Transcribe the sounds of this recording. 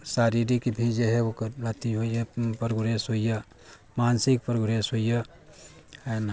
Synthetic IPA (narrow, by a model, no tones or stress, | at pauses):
saːɾiɾikibʱid͡ʒeɦɛokəɾlat̪iɦojəpɾoɡɾesɦoijə | mansik̚pɾoɡɾesɦojə | ɛn